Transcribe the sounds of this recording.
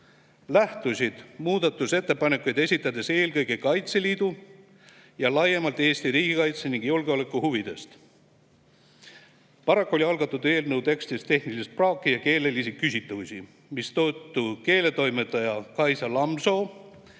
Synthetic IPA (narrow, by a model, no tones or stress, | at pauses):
læht̪usʲid̪̥muːd̪̥ɑt̪ːˑuse̞t̪ːe̞pɑnekːˑujd̪e̞sʲit̪ːˑɑd̪̥e̞se̞ːlkɤ̞jɡe̞kɑjt̪se̞liːd̪̥u | jɑlɑjemɑlt̪ˑe̞ːst̪iɾiːɡ̥ikɑjt̪seniŋɡ̥julɡ̥eo̞le̞kːˑuhuvid̪̥e̞st̪ | pɑɾɑkːˑuo̞lʲiɑlɡ̥ɑt̪ːˑud̪e̞ːlnəwt̪e̞kst̪ist̪ːe̞hnilist̪̚prɑːkːˑijɑke̞ːle̞lisikysʲit̪ːˑusi | mist̪oːt̪ːˑuke̞ːle̞t̪o̞jmet̪ːˑɑjɑkɑjsɑlɑmso̞ː